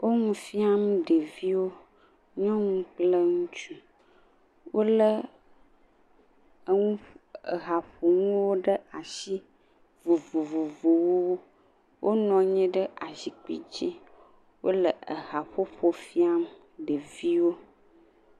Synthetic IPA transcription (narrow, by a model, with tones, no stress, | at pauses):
wʔo˦ŋũ˦fi˦a˦mɖe˨vi˦wo˦ | ɲɔ̃˦ŋũ˦k͡plə˦ŋũ˦t͡ʃu˦ | wo˦lə˦ | ə˦ŋũ˦ə̰˨ɣa˨ɸo˨ŋũ˦wo˦ɖə˦a˨ʃi˦ | vu˨vo˨vu˨vo˨wo˦wo˦ | wʔo˦nɔ̃˨ɲɛ̃˦ɖə˦a˨zi˨k͡pḭ˨d͡ʒi˦ | wʔo̰˦lə˨ə˨ɣa˨ɸo˦ɸo˦fi˦a˦m | ɖe˨vi˦wo˦